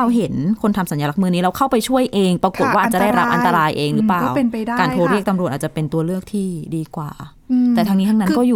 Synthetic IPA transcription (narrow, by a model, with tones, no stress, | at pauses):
a˧wɦe˩˦nkʰo˧nt̪ʰa˧msa˩˦njaː˧la˦˥k̚mɯː˧niː˦˥ɾa˧wkʰa˥˩wpa˧jt͡ɕʰu˥˩əjʔeː˧ŋpɾa˧ku˨˩t̪̚waː˥˩˨t͡ɕa˨˩da˥˩jɾa˦˥p̚ʔa˧nt̪a˧ɾaː˧jʔeː˧ŋɾɯː˦˥plaː˨˥˩wn˧kaː˧nʰo˧ɾi˥˩ək̚t̪a˧mɾu˨˩aː˨˩t͡ɕa˨˩pe˧nt̪u˧ɐlɯ˥˩ək̚t̪ʰiː˥˩diː˧kwa̰ː˨˩ | t̪ɛː˨˩t̪ʰa˧ŋni˦˥t̪ʰa˧˥na˦˥˧kɔː˥˩juː˨˩